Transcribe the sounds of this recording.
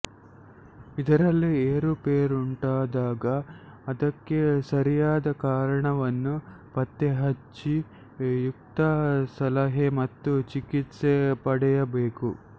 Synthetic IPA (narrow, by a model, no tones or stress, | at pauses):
id̪ɐɾɐlːieːɾupeːɾuɳʈaːd̪aːɡɐːd̪ɐkːesɐɾijaːd̪ɐkaːɾɐɳɐʋɐnːu | pɐt̪ːeɦɐt͡ʃːi | juk̚t̪ɐsɐlɐɦemɐt̪ːut͡ʃikit̪sepɐɽɛjɐbeːku